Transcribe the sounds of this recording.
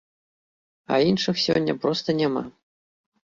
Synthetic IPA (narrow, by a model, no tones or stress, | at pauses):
a̰inʂɨxsʲɔ̰nʲːɐ̰pɾɔst̪ɐnʲama̰